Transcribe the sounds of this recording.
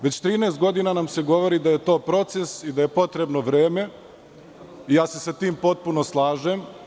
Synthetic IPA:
ʋe̞t͡ɕt̪ɾiːneːst̪ɡo̞d̪inanamse̞ɡo̞ʋo̞ɾid̪aje̞t̪o̞ːpɾo̞t̪se̞sid̪aje̞po̞t̪ɾe̞bno̞ʋɾeːme̞ | ijaːse̞sat̪iːmpo̞t̪̚puno̞slˠaːʒem

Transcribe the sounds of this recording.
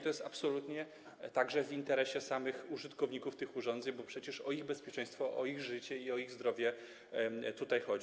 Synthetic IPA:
t̪ɔjɛst̪apsɔlut̪ɲɛ | t̪aɡʐɛvint̪ɛɾɛɕɛsamɘxuʐɘt̪kɔvɲikuft̪ɘxuʐɔnd̪zɛɲbɔpʂɛt͡ɕɛʂɔiɣbɛspʲjɛt͡ʂɛ̃j̃st̪fɔʔɔiɣʐɘt͡ɕɛiɔiɣzd̪ɾɔvʲjɛ | t̪ut̪ajxɔ

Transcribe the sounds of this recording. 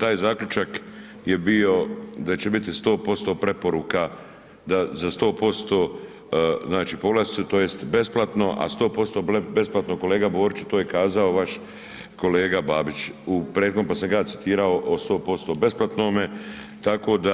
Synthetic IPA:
t̪aːjzaːkʎʲut͡ʃak | jebio̞d̪at͡ɕe̞bit̪ist̪o̞ːpo̞st̪o̞ːpɾe̞po̞ɾuːka | d̪azast̪o̞ːpo̞st̪o̞ː | znaːt͡ʃiːpoɡlasiset̪oːjest̪be̞splˠat̪no̞ʔa̰st̪o̞ːpo̞st̪o̞be̞splˠat̪noko̞leːɡabo̞ːɾit͡ʃe̥t̪oːjekaːzaoʋaʃ | ko̞le̞ːɡabaːbit͡ʃupɾed̪kompasaŋɡasi̥t̪iːɾao̞ʔost̪o̞ːpo̞st̪o̞ːbe̞splˠat̪nome | t̪ako̞ːd̪a

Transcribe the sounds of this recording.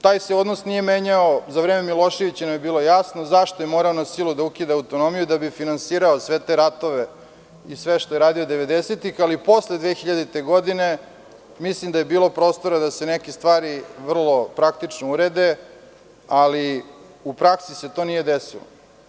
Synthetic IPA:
t̪aːjseo̞d̪nosnije̞meːɲaozaʋɾeːmemilo̞ʃeʋit͡ɕenamjebiːlo̞jasnozaʃt̪ojemo̞ɾaonasilˠud̪aukid̪aawt̪o̞no̞mijud̪abifinansiːɾaosʋet̪eɾat̪oʋe | isʋeʃt̪ojeɾaːd̪iod̪eʋed̪eset̪ixalipo̞sled̪ʋeːxiʎad̪it̪eɡod̪ine̞ | mislimd̪aje̞biːlˠo̞pɾo̞ːst̪o̞ɾad̪asenekest̪ʋaːɾiʋr̩lˠo̞pɾakt̪it͡ʃnouɾed̪e | ali | upɾaksise̞t̪onije̞d̪esḭlˠo̰

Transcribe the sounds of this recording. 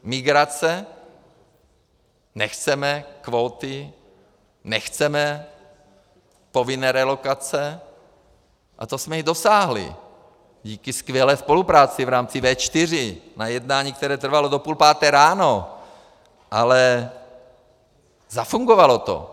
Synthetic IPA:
mɪɡɾat͡sɛ | nɛxt͡sɛmɛkvoːt̪ɪ | nɛxt͡sɛmɛ | povɪnɛːɾɛlokat͡sɛ | ʔa̰t̪osmɛjid̪o̞saːɦlɪ̰ | ɟiːkɪskvjɛlɛːspo̞lupɾaːt͡sɪvɾaːmt͡sɪvɛːt͡ʃt̪ɪr̝ɪnajɛdnaːɲiːk̚t̪ɛɾɛːt̪r̩valodopuːlpaːt̪ɛːɾaːno | ʔalɛ | zafuŋɡovalo̞t̪o̰

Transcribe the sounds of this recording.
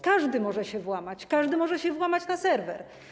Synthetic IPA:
kaʐd̪ɘmɔʐɛɕɛvwamat͡ɕkaʐd̪ɘmɔʐɛɕɛvwamat͡ɕnasɛɾvɛ̰ɾ

